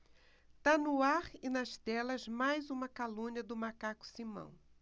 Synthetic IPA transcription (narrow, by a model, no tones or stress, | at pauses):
t̪anʊaɾɪnɐʃt̪ɛlɐzmajzũmɐkalũɲɐd̪ʊmakakʊ̥simɐ̰̃w̃